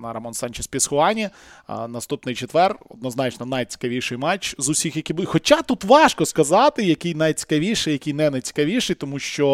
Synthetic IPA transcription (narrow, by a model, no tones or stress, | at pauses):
nɐɾɐmɔnsɑnʲt͡ʃɛsʲpʲisxʊɑnʲi | nɐst̪upnɪjt͡ʃet̪ʋɛrɔ̰d̪̚nɔznɑt͡ʃnɔnɐjt͡sʲi̥kɐʋʲiʃɪjmɑt͡ʃzʊsʲixjɐkʲibxɔt͡ʃat̪ut̪ʋɑʃkɔskɐzɑt̪ɪjɐkɪjnɐjt͡sʲi̥kɐʋʲiʃɪjɐkʲijnɛnɐjt͡sʲi̥kɐʋʲiʃɪjt̪ɔmuʃt͡ʃɔ